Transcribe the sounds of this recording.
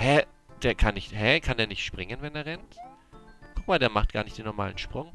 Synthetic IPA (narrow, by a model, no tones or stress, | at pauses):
hɛ | d̥eːɐkʰanːɪçthɛkʰandeːɐnɪçtʃpʁ̥ɪŋənvɛndeːɐʁɛnt | kʰʊk̚maːldeːɐmaχt̚ɡ̥a̰ːɐnɪçtd̥eːnːɔɐma̰ːlənʃpʁ̥ʊŋ